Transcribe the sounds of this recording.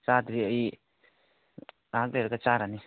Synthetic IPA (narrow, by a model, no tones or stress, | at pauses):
t͡ʃad̪ɾiəi | ãkleɾkat͡ʃaɾani